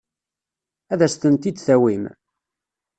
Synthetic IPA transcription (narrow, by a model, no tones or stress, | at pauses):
æðæst̪ənt̪id̪θæwim